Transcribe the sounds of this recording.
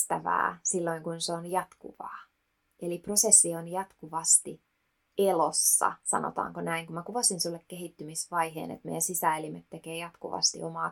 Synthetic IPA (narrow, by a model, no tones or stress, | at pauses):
t̪æʋæ̰ːsilːoiŋkunseonjɑt̪kṵʋɑː | eliprosesːionjɑt̪kuʋɑst̪i | elosːɑ̰sɑ̰no̰t̪ɑ̰ːŋkonæiŋkumækuʋɑsinsulːekkeɦit̪ːymisʋɑjhḛːnḛt̪mḛijænsisæːelimet̪ːekeːjɑt̪kṵʋɑ̰st̪ḭʔomɑː